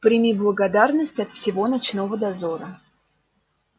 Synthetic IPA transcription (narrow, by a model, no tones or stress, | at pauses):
pɾʲɪmʲiblˠəɡɐd̪arnəsʲtʲɐt̪fsʲɪvo̞nat͡ɕnovəd̪ɐzoɾə